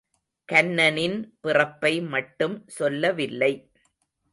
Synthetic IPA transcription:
kɐnːɐnɪnpɪrɐpːɐɪmɐʈːɯmsɔlːɐʋɪlːɐɪ

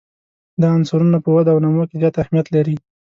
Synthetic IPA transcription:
d̪əansuɾunapəwad̪awnamokezjɑt̪ahmijat̪laɾi

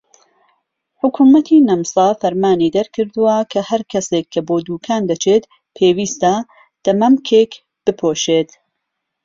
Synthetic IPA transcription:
ħʊkʰuːmɐt̪ʰiːnɐmsˤɑfɐɾmaːniːd̪ɐɾkʰɨɾd̪uwɐkʰɐhɐɾkʰɐseːkʰːɐboːd̪uːkʰaːnd̪ɐt͡ʃʰeːt̪ | pʰeːwiːst̪ɐ | d̪̥ɐmɐmkʰeːk | b̥ɨpʰoːʃeːt̪

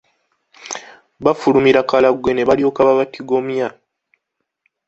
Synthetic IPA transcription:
βafulumiɾakalaɡwe̞ne̞βalio̞kaβaβatʰiɡo̞mja

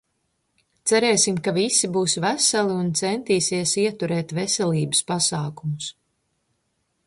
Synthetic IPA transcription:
t̪sæɾɛːsimkavisibuːsvæsaliunt̪sɛnt̪iːsiɛsiɛt̪uɾɛːt̪vɛsɛlʲiːbɨspasaːkumus

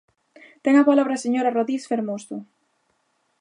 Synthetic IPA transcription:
t̪ɛŋapalaβɾaseɲoɾaroðɾisfeɾmost̪o

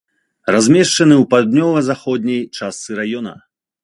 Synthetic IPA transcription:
razʲmʲɛʂt͡ʂɐnɨwpad̪nʲɔlˠɐzaxɔd̪̚ʲnʲɐjt͡ʂast̪sɨɾajɔnɐ̰

